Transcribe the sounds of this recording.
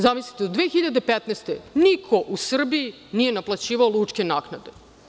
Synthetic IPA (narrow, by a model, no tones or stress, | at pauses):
zamislit̪eod̪ʋeːxiʎad̪epet̪neːst̪enikʰo̞ʔusr̩bii | nije̞naplˠat͡ɕiːʋaolˠut͡ʂkʲenaːknad̪e̞